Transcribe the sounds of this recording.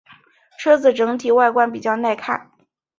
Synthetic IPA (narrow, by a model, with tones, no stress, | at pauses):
ʈ͡ʂʰɤ˥d͡zɹ̩˨˩ʈ͡ʂɤ˧˥ŋt̪ʰi˨˩wa˥˩ɪkwa˥np̬i˨˩t͡ɕjɑ˥˧ʊna˥˧ɪkʰa̰˥˩n